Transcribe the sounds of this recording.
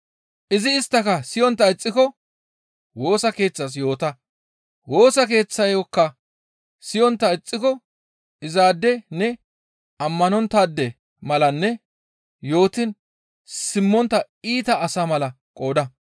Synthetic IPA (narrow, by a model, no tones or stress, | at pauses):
ʔɪzɪːst̪ːɐkɐsɪjɔnt̪ːɐɪt͡sʼːɪkɔ | wo̞ːsɐke̞ːt͡sːɐs̬jo̞ːt̪ɐ | wo̞ːsɐke̞ːt͡sːɐjɔkːɐ | sɪjɔnt̪ːɐɪt͡sʼːɪkɔ | ɪzaːd̪ːɛnɛ | ɐmːɐnɔnt̪aːd̪ːɛ | mɐlɐnːɛ | jo̞ːt̪ɪn | sɪmːɔnt̪ːɐ | iːt̪ɐːsamɐlɐ | kʼo̞ːd̪ɐ